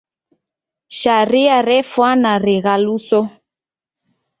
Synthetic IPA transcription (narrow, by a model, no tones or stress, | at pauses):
ʃaɾiaɾɛfwanaɾɛɣalusɔ